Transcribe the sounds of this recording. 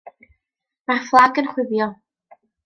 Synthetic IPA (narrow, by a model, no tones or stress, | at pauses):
marflˠaɡənχwɪðjɔ